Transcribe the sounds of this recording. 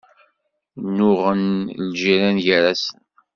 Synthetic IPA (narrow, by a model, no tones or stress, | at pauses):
nːʊʁənlʒiɾænjəɾæsən